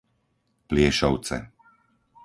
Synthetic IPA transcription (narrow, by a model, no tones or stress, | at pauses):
plɪɛʃɔʊt͡sɛ̰